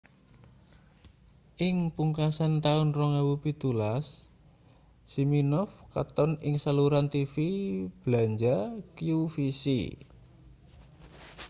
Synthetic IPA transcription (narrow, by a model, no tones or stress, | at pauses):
ʔɪŋpuŋkasant̪aʊnrɔŋawupit̪ulas | siminɔfkat̪ɔnɪŋsaluɾant̪ifib̥laɲd͡ʒakijufisḭ